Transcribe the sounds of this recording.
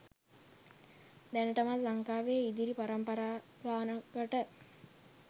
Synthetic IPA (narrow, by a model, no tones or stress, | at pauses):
d̪ænəʈəmallaŋkaːʋejid̪iɾipaɾampəɾaː | ɡaːnəɡəʈə